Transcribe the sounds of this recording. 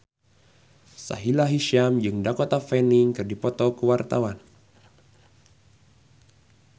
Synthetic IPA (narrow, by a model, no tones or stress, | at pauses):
sa̰ɦilaɦiʃamd͡ʒɨŋdakɔt̪afɛniŋkɨrdipɔt̪ɔkəwart̪awan